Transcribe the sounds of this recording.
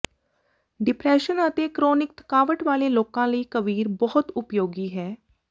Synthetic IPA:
ɖɪpɾɛːʃənət̪eːkɾoːnɪk̚t̪ə̥kaːʋəʈʋaːleːloːkãːləiːkəʋiːɾbɔɦʊt̪ʊpjoːɡiːɦɛː

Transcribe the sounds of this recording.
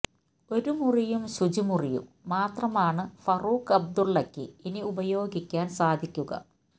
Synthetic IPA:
o̞ɾumurijumsud͡ʑumurijṵmːaːt̪rɐmaːɳɨfɐruːkɐb̚d̪uɭːɐkːɨiniubɐjo̞ːɡikʲːaːnsaːd̪ʱikʲːuɣɐ̰

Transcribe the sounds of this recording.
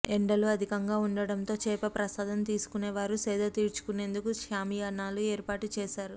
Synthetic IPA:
eɳɖɐluɐd̪ʱikɐŋɡaːuɳɖɐɽɐnt̪o̞ːt͡ʃɛːpɐpɾɐsaːd̪ɐnt̪iːsu̥kuneːʋaːɾusɛːd̪ɐt̪iːɾt͡ʃu̥kune̞ːnd̪ukuʃaːmijanːaːlueːɾpaːʈut͡ʃɛːʃaːɾu

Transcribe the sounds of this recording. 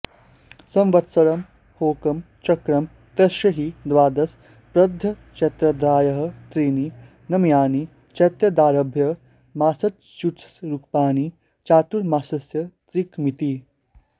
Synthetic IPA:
sɐ̃mʋɐt̪sɐɾɐm | hoːkɐm | t͡ʃɐkɾɐm | t̪ɐʃjɐɦid̪ʋaːd̪ɐs | pɾɐd̪ʱːɐ | t͡ʃɐt̪ɾɐd̪ɾaːjɐɦɐ̆t̪ɾiːni | nɐmjaːni | t͡ʃɐt̪jɐd̪aːɾɐbʱjɐ | maːsɐt̪̚t͡ʃut͡ssɾukpaːni | t͡ʃaːt̪uɾmaːsɐsjɐt̪ɾikmit̪i

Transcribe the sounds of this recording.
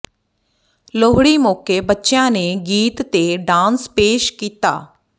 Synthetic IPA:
loːɦɽiːmoːkeːbətːʃjãːneːɡiːt̪ːeːɖãːnspeːʃkiːt̪a̰ː

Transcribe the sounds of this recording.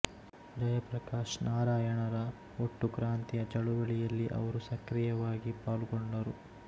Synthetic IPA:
d͡ʒɐjɐpɾɐkaːʂnaːɾaːjɐɳɐɾɐ | oʈːukɾaːnt̪ijɐt͡ʃɐɭuʋɐɭijɐlːiʔɐ̰ʋɐɾusɐkɾijɐʋaːɡipaːlukoɳɖɐɾu

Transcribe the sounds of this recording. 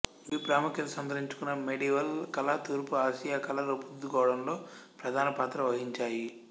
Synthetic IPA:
bipɾaːmukjɐt̪ɐsɐmd̪ʱɐɾiɲt͡ʃu̥kunːɐmeɽiːʋɐlkɐlɐt̪uːɾpuaːʃijaːkɐlɐɾɐpud̪ːukɔːʋɐɽɐmlo̞ːpɾɐd̪ʱaːnɐpaːt̪ɾɐʋɐɦiɲt͡ʃaːji

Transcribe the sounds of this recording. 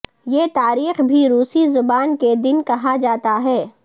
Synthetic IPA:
jeːt̪aːɾiːxbʱiɾuːsizʊbaːnked̪ɪnkɐɦad͡ʒaːt̪aɦɛː

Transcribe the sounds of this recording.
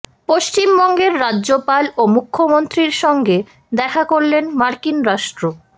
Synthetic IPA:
poʃt͡ɕimbɔŋɡeɾːadːʑopalomukʰːomont̪ɾiɾʃɔŋɡe | d̪ɛkʰakoɾlenmaɾkinɾaʃʈɾo

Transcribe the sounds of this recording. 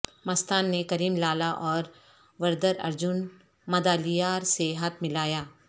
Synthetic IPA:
mɐst̪aːnːekɐɾiːmlaːlaʔɔːɾ | ʋɐɾd̪əɾɐ̰ɾd͡ʒʊn | mɐd̪aːlijaːɾseɦɐt̪̚mɪlaːjaː

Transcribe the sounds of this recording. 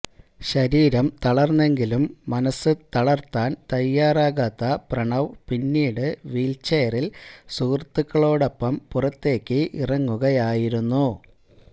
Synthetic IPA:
ɕɐɾiːɾɐmt̪ɐɭɐrnːe̞ŋɡilumːɐnɐsːɨt̪ɐɭɐrt̪ːaːnt̪ɐjːaːraːɣaːt̪ːɐprɐɳɐʋpinːiːɽɨʋiːlt͡ɕejɐrilsuːrt̪ːukːɐɭo̞ːɽo̞pːɐmpurɐt̪ːe̞ːkʲːɨʔirɐŋːuɣɐjaːjiɾunːu

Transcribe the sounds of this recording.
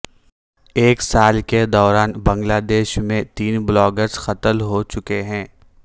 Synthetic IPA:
eːksaːlked̪ɔːɾaːnbɐ̃ŋɡlaːd̪eːʃmẽt̪iːnblɔːɡəɾz̥xɐt̪əlɦot͡ʃʊkeɦɛ̃ː

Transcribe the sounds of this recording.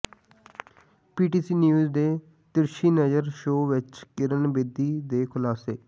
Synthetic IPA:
piːʈiːsiːnjuːzd̪eː | t̪ɪɾʃiːnəd͡ʒəɾʃoːʋɪt͡ʃkɪɾənbed̪iːd̪eːkʰʊlaːseː

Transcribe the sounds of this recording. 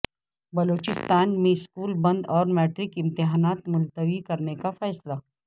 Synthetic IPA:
bɐloːt͡ʃɪst̪aːnmẽɪskuːlbɐ̃nd̪ɔːɾmɛːʈɾɪkɪ̃mt̪ɪɦaːnaːt̪mʊlt̪əʋikɐɾnekafɛːsla

